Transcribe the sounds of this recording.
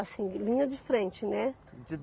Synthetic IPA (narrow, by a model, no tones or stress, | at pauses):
asĩlĩɲɐd͡ʒɪfɾẽnt͡ʃɪnɛ | d͡ʒɪ